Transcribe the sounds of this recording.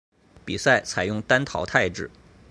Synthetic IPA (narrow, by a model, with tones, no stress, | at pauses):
pi˨˩sa˥˩ɪt͡sʰa˨˩ɪjʊ˥˩ŋt̪a˥nt̪ʰɑ˧˥ʊt̪ʰa˥˧ɪʈ͡ʂɻ̩˥˩